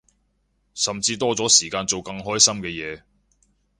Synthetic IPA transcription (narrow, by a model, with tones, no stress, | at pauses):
sɐ˨mt͡siː˧t̪ɔː˥t͡sɔː˨˥siː˨˩kaː˧nt͡so˨wkɐ˧ŋɦɔː˥jsɐ˥mkɛː˧jɛː˨˧